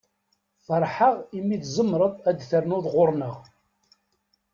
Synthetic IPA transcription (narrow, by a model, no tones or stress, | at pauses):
fəɾˤħəʁimːiθzˤəmːɾˤəðˤæd̪θəɾnʊðˤʁʊɾnəʁ